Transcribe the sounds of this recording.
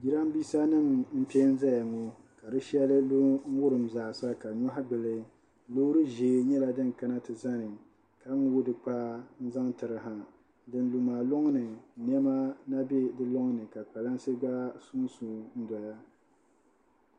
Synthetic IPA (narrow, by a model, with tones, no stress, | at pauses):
ɡi˨ɾa˦mbiː˦sa˦nɨ˦mm̩˦pe˦n̩˦za˦ja˨ŋo˦ | ka˨dɨ˦ʃɛ˦lɨ˦lu˦ŋ̩˦wʊ˦ɾɨ˨m˦zaː˨sa˦ka˨ɲɔ˦ɦa˦ɡ͡bɨ˨lɨ˦ | loː˦ɾɨ˦ʒeː˨ɲɛ˦la˨dɨ˦ŋ˨ka˦na˦tɨ˨za˦nɨ˨ | ka˦wʊ˦dɨ˨k͡pa˦n̩˦za˦ŋtɨ˨ɾɨ˦ɦa˨ | dɨ˨n˦lu˨maː˨lʊ˦ŋ˦nɨ˨n˦ɛ˦ma˦na˦be˦dɨ˦lʊ˦ŋnɨ˨ka˨k͡pa˨la˦n˦sɨ˦ɡ͡ba˦sʊ˦ŋ˦su˨n̩˦dɔ˨ja˦